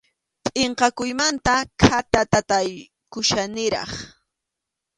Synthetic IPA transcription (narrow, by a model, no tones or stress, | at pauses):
pʼeɴqɑkʊjmant̪akʰat̪at̪at̪aj | kʊʃanɪɾɑ̰χ